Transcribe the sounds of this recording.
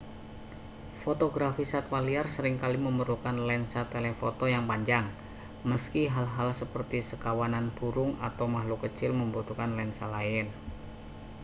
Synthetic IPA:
fot̪oɡɾafisat̪waliarsəɾɪŋkaliməmərlukanlɛnsat̪elefot̪ojaŋpaɲd͡ʒaŋ | məskiɦalɦalsəpərt̪isəkawananb̥uɾʊŋa̰t̪awmaɦlukət͡ʃɪlməmbut̪ukanlɛnsalaɪn

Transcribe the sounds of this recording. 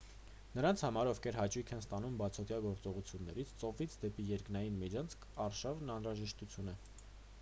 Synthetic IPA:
nəɾɑnt͡sʰhɑmɑɾɔvkʰɛɾɦɑt͡ʃʰujkʰɛnst̪ɑnumbɑt͡sʰɔt̪jɑɡɔɾt͡sɔʁut͡sʰjunːɛɾit͡sʰt͡sɔvit͡sʰd̪ɛpijɛɾknɑjinmid͡ʒʰɑnt͡sʰkʰɑrʃɑvnɑnɾɑʒɛʃt̪ut͡sʰjunɛ

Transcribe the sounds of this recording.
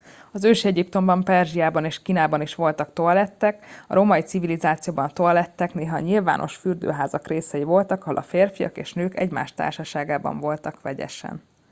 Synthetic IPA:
ɒzøːʃiɛɟipt̪o̞mbɒmpɛrʒijaːbɒneːʃkiːnaːbɒniʃʋo̞lt̪ɒkt̪oɒlɛt̪ːɛkɒ̰ɾomɒit̪sivilizaːt̪sijoːbɒnt̪oɒlɛt̪ːɛkneːɦɒɲilva̰ːnʔo̞ʃfyrd̪ø̰ːɦaːzɒkreːsɛjivo̞lt̪ɒkɒɦo̞lɒ̰feːrfijɒ̰keːʃnøːkɛ̰ɟma̰ːʃt̪a̰ːrʃɒʃaːɡaːbɒ̰ɱvo̞lt̪ɒkʋɛɟɛ̰ʃɛ̰n

